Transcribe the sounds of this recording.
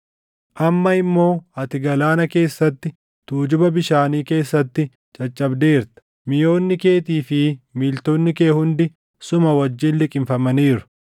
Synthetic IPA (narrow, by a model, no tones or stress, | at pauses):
ʔɐmːɐɪmːo̞ːɐt̪ɪɡɐlaːnɐke̞ːsːɐt̪ːɪ | t̪uːd͡ʒʊbɐbɪʃaːniːke̞ːsːɐt̪ːɪ | t͡ʃʼɐt͡ʃʼːɐbd̪e̞ːɾt̪ɐ̥ | mɪjo̞ːnːɪke̞ːt̪iːfɪmiːlt̪oːnːɪke̞ːhʊnd̪ɪ | sʊmɐwɐd͡ʒːiːnlɪkʼɪmfɐmɐniːɾʊ̥